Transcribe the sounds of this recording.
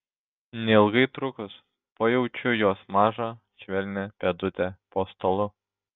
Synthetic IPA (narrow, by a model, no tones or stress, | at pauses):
nʲɛɪlˠɡɐɪt̪ɾʊkʊs | poːjɛʊt͡ʃʲʊjoɔsmɑːʒɐ | ʃʲʋʲɛlʲnʲɛpʲɛd̪ʊt̪ʲɛpoːst̪oːlˠʊ